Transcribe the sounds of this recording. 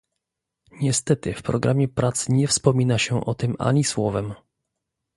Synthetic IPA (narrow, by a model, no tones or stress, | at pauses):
ɲɛst̪ɛt̪ɘfpɾɔɡɾʔamʲjɛpɾʔat̪sɲɛfspɔmʲinaɕɛʔɔt̪ɘma̰ɲiswɔvɛm